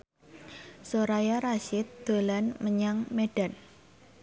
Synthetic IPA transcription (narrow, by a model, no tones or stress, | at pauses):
soɾajaɾaʃɪt̪̚d̪̥o̤lanməɲaŋmeɖ̥a̤n